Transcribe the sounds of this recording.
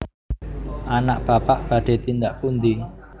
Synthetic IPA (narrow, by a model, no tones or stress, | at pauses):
ʔanaʔb̥apaʔb̥a̤ɖ̥e̤t̪ind̪aʔpund̪i